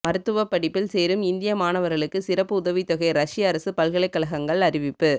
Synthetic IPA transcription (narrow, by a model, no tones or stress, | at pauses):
mɐɾɯt̪ːɯʋɐpːɐɽɪpːɪlseːɾɯmɪnd̪ɪjɐmaːnɐʋɐɾɣɐɭɯkːɯsɪɾɐpːɯʊðɐʋit̪ɔɣɐɪɾɐʂɪjɐːɾɐsɯpɐlɣɐɭɐɪkːɐlɐɣɐŋɡɐɭɐɾɪʋɪpːɯ